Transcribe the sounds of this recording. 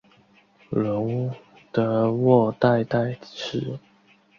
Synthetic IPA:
lʊ˨˧˥ŋ | t̪ə˧˥wɔ˥˧t̪a˥˧ɪt̪a˥˩ɪʈ͡ʂ̩ʰ˨˦

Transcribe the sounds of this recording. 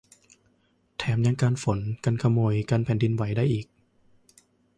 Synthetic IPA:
t̪ʰɛː˩˦mja˧ŋkaː˧nfo˨˩˦nka˧nkʰa˧moː˧jkaː˧npʰɛː˩˦ndi˧nwa˩˦jdaː˥˩jʔiː˨˩k̚

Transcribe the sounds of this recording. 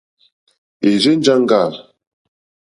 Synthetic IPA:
e˨d͡ʒe˦n˦d͡ʒa˦ŋ˦ɡa˦˨

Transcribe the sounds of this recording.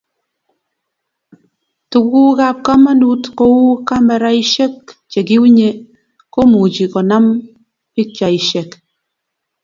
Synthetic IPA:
tu˨ku˦ɣa˦˨p̚ka˦ma˦nu˦tko˦wu˦ka˦me˨ɾa˦i˦ʃe˦kt͡ʃe˨ki˦u˦ɲe˦ | ko˦mu˨d͡ʒi˨kɔ˨na˦m | i˦t͡ʃa˨i˨ʃe˨k

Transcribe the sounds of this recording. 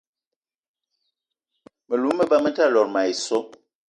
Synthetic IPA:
mə˨lu˨˦mː˦ə˦ba˦mə˦ta˦˨lɔ˨ɾma˨i˨sɔ˦

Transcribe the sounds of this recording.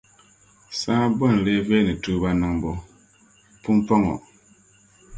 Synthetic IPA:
sãː˦bɔ˦˨n˨le˦vɛ˦ni˨tu˦ba˦na˦ŋbɔ˦ | pu˦mpɔ˦ŋɔ̰˨

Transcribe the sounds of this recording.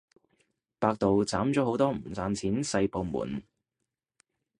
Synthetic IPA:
paː˧k̚t̪o˨wt͡saː˨˥mt͡ʃɔː˨˥ɦo˨˥wt̪ɔː˥m̩˨˩t͡saː˧nt͡sʰiː˨˥nsɐ˧jpo˧wmṵː˨˩n

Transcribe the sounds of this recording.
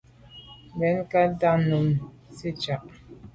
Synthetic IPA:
bɛ˨˦nka˦da˦nu˨m | si˦t͡ʃa˨ʔ

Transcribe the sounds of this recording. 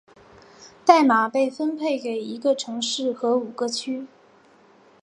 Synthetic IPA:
t̪a˥˩ɪma˨˩pe˥˩ɪfə˥npʰe˥˩ɪke˨˩ɪi˧˥ɡə˧ʈ͡ʂʰɤ˧˥ŋʂɻ̩˥˩xɤ˧˥u˨˩ɡ̥ə˦t͡ɕʰy˥

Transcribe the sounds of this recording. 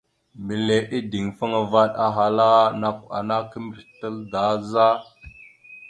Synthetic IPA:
mi˨le˨ʔi˦di˨ŋfə˦ŋa˨va˦ɗa˨ɦa˨la˦na˨ka̰˨na˦kə˦mbi˨ɾtə˦lda˨˦za˦

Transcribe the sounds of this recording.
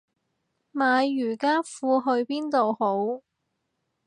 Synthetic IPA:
maː˨˧jːyː˨˩kaː˥fuː˧ɦɵ˧ɥpiː˥nt̪o˨who˨˥w

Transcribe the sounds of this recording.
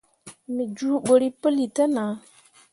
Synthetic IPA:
mi˨d͡ʒu˦ɓo˨ɾi˦pə˦li˨ta˦na˨˦

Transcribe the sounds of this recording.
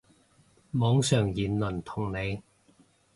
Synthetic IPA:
mɔː˨˥ŋsœː˨˩ŋjiː˨˩nlɵ˨˩nt̪ʰʊ˨˩ŋne˨˧j

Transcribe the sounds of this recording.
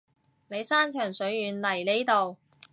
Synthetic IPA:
ne˨˧jsaː˥nt͡ʃʰœː˨˩ŋsɵ˨˥ɥjyː˨˧nlɐ˨˩jle˥t̪o˨w

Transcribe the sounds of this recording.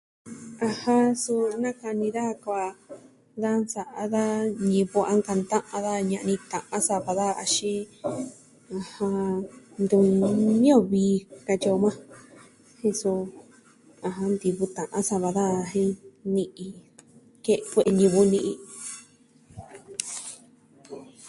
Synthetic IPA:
ã˧hã˧su˧a˧nã˦ka˧nĩ˧ða˦˧ka˧ | ða˦nsa˨ʔa˧ða˦ɲĩ˧βo˧ʔa˧˦ŋka˧nt̪ã˦ʔã˧ða˦ɲã˧ʔnĩ˧t̪ã˨ʔã˦sa˧βa˧ða˦˧a̰˧ʃĩ˦ | a˧hã˧nd̪u˧ɲĩ˦õ˦˨βiː˧˦ka˧t͡ʃo˧mã˦ | hĩ˧su˧ | ã˧ɦã˧nd̪i˧βu˧t̪ã˨ʔã˦sa˧βa˧ða˦˨ɦĩ˦nĩ˧ʔĩ˧ | ke˦˧ʔkʷe˧ʔe˧ɲĩ˧βu˧nĩ˧ʔi˧

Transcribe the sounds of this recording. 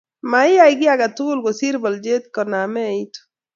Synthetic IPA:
ma˨ɪ˦ja˦ɪɡɪ˦aɡa˨tʊ˦ɡʊ˦lɡɔ˨si˦ɾbɔ˨ld͡ʒe˦t̪kɔ˨na˨mɛ˦˨i˦t̪o̥

